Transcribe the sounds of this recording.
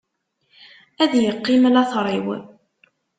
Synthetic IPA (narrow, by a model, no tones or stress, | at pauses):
æðjəqːimlɑθɾˤiw